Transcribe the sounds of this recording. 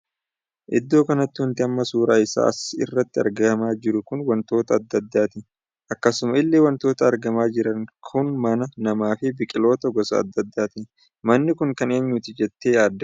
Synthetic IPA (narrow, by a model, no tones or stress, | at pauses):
ʔɪd̪ːo̞ːkɐnɐt̪ːɪwɐnt̪ɪɐmːɐsuːɾaːɪsa̰ːɐ̰sɪ̰rːɐt̪ːɪɐ̰ɾɡɐɐmaːd͡ʒɪɾʊkʊnwɐnt̪o̞ːt̪ɐːd̪ːɐd̪ːaːt̪ɪ | ʔɐkːɐsʊmɐɪlːeːwɐnt̪o̞ːt̪ɐːɾɡɐmaːd͡ʒɪɾɐŋkʰʊnmɐnɐnɐmaːfɪbɪkʼɪlo̞ːt̪ɐɡɔsɐɐ̰d̪ːɐd̪ːaːt̪ɪ | mɐnːɪkʊŋkɐne̞ːɲːʊt̪ɪd͡ʒɛt̪ːe̞ːjaːd̪ːɐ